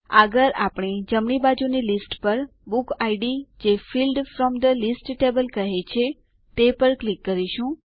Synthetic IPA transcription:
əɡəɾapɽ̃ed͡ʒəmɳibad͡ʒunilisʈpəɾ | bukaiɖid͡ʒefilɖfɾɔmd̪əlisʈʈebəlkəɦet͡ʃʰe | t̪epəɾklikːəɾiʃũ

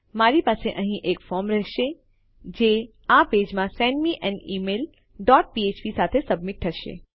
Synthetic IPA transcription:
maɾipaːseʔə̃ɦĩʔekfɔːɾmɾɛɦʃe | d͡ʒe | apeːd͡ʒmãsɛ̃ɳɖmiʔɛ̃nɖiːmeːl | ɖɔːʈ̚piet͡ʃʋisat̪ʰesəbmɪʈɦəʃḛ

